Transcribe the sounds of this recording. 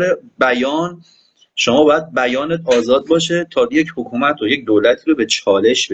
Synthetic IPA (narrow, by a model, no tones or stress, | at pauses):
ɾebæjɒːn | ʃomɒːbɒːjæd̪̚bæjɒːnet̪ʰɒːzɒːd̪̚bɒːʃe̞t̪ʰɒːjecʰhokʰuːmæt̪ʰoje̞c̚d̪oːlæt̪ʰiːɾobe̞t͡ʃʰɒːle̞ʃb